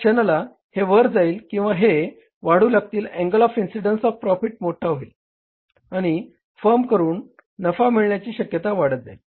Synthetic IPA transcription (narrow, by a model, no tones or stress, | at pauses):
t͡ɕənəla | heʋəɾd͡zaiːlkĩw̃ʋaɦe | ʋaɽ̤uːlaɡ̚t̪iːlɛ̃ŋɡəlɔfinsiɖənsɔfpɾɔfiʈ̚moʈʰaɦoil | aɽ̃i | fəɾmkəɾuːnː | əfamiɭɳjat͡ɕiːɕəkjət̪aʋaɽ̤ət̪̚d͡za̰il